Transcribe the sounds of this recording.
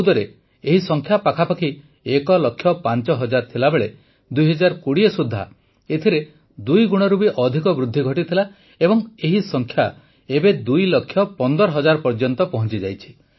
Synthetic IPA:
ud̪ɔɾe | eɦisɔŋkʰjapakʰapakʰi | ekɔlɔkʰjɔpant͡ʃɔɦɔd͡ʒaɾt̪ʰilabeɭe | d̪ujɦɔd͡ʒaɾkuɽiesud̪ʱːa̰ | et̪ʰiɾe | d̪ujɡuɽ̃ɔɾubiʔɔd̪ʱikɔbɾud̪ʱːiɡʱɔʈit̪ʰila | ebɔŋeɦisɔŋkʰja | ebed̪ujlɔkʰːjɔpɔnd̪ɔɾɔɦɔd͡ʒaɾpɔɾd͡ʒɔnt̪ɔpɔɦɔ̃nt͡ʃid͡ʒajt͡ʃʰi̥

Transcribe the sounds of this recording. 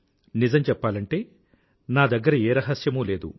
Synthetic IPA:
nizɐmt͡ʃɛpːaːlɐɳʈe̞ː | naːd̪ɐɡːɐɾɐeːɾɐɦɐsjɐmuːle̞ːd̪ṵ

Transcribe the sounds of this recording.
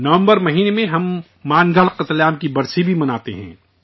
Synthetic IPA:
nɐʋə̃mbəɾmɐɦiːnemẽɦɐmː | aːnɡəɭqət̪laːmkibɐɾsibʱimɐnaːt̪ḛɦɛ̰̃ː

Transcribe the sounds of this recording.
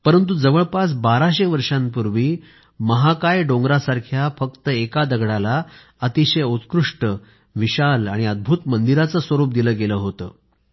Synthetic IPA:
pəɾənt̪̬ud͡zəʋəɭpasbaɾaɕeʋəɾʂãmpuɾʋiː | məɦakajɖõŋɡɾasaɾkʰjafək̚t̪əekad̪əɡɽala | ət̪iɕəjut̪kɾuʂʈə | ʋiɕalaɽ̃iəd̪̚bʱuːt̪mənd̪iɾat͡səsʋəɾuːp̚d̪iləːɡeləːɦot̪ə̰ː

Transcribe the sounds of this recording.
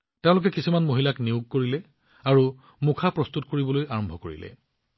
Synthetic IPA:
tẽʊ̃lʊk̬ɛkisumanmoɦilakniuɡ̚koɹilɛ | aɹu | mukʰapɹɔst̪utkoɹibɔlojaɹɔmbʱɔkoɹḭlɛ̰

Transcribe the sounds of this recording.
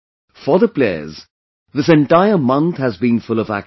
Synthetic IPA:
fəðəpl̥eɪə̰z | ðɪs̬ɛ̃nʈaɪəmʌ̃nθhɨzbĩnfʊlʌvæ̰k

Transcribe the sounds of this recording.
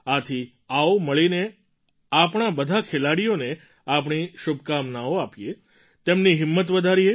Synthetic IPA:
at̪ʰi | aoməɭine | apɳ̃abəd̪ʱakʰelaɽijone | ap̬ɳ̃iʃubʱkamnaoapije | t̪emniɦɪmːət̪ʋəd̪ʱaɾie

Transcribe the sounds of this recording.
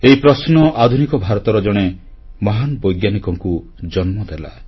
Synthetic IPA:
eipɾɔsnɔʔad̪ʱunikɔbʱaɾɔt̪ɔɾɔd͡ʒɔɽ̃e | mɔɦanbɔjɡjanikɔŋku | d͡ʒɔnmɔd̪ela̰

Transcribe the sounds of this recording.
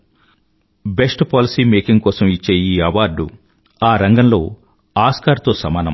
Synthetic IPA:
be̞sʈpaːlisiːmeːkiŋɡkɔːsɐmit͡ʃːeːjiːɐʋaːɾɖṵ | aːɾɐŋɡɐnlo̞ː | aːskaːɾt̪o̞ːsɐmaːnɐ̰m

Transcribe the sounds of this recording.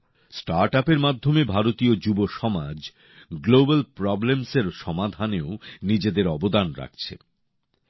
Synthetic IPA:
sʈaɾʈapeɾmad̪ʱːomebʱaɾot̪iod͡ʑuboʃɔmad͡ʑ | ɡlobalpɾɔblemseɾʃɔmad̪ʱaneonid͡ʑed̪eɾɔbod̪anɾa̰k̚t͡ɕʰḛ

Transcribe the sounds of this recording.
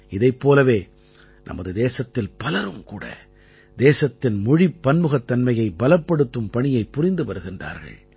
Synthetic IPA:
ɪðɐɪpːoːlɐʋeː | nʔɐ̰mɐðɯd̪eːsɐt̪ːɪlpɐlɐɾɯmkuːɽɐ̰ | d̪eːsɐt̪ːɪnmʊɻipːɐnmɯɣɐt̪ːɐnmɐjɐɪbɐlɐpːɐɽɯt̪ːɯmpɐɳɪjɐɪpːʊrɪnd̪ɯʋɐɾɯɣɪndra̰ːɾɣɐ̰ɭ

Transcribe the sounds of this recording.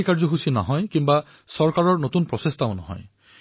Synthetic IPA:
ikaɹd͡ʒɔɦusinɔ̰ɦɔjkimba | sɔɹkaɹɔɹnot̪unpɹɔsest̪amnɔ̰ɦɔ̰j

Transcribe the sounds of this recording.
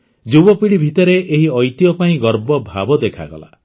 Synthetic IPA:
d͡ʒubɔpiɽibʱit̪ɔɾeʔeɦiɔjt̪ijɔpaĩɡɔɾbɔbʱa̰bɔd̪ekʰa̰ɡɔ̰la̰

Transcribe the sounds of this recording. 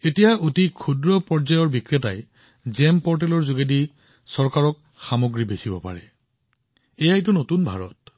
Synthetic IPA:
etijaʔotikʰudɹɔpɔɹzajɔɹbikɹeta̰j | zɛmpɔɹt̬ɛlɔɹzuɡedi | sɔɹkaɹɔk | xamoɡɹibesibɔpa̰ɹɛ | ejajt̬ʊnotunbʱa̰ɹɔ̰t̚

